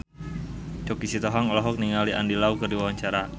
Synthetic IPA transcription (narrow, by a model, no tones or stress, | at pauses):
t͡ʃɔkisit̪ɔɦaŋɔlɔɦɔk̚niŋaliʔa̰ndilaukərdiwawaɲt͡ʃaɾa